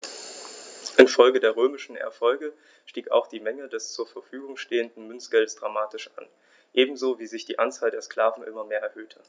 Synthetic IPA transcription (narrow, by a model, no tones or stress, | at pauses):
ʔɪnfɔlɡədeːɐʁ̞øːmɪʃn̩ɛ̰ɐfɔlɡə | ʃtiːka̰ʊxd̥iːmɛŋədɛst͡suːɐfɛɐfyːɡʊŋʃteːəndn̩mʏnt͡sɡ̥ɛldsd̥ʁamaːtɪʃa̰n | ʔeːbm̩zoːviːzɪçd̥iːʔant͡saːldeːɐskl̥aːvn̩ʔɪ̰mɐmeːɐʔɛɐhøːtʰə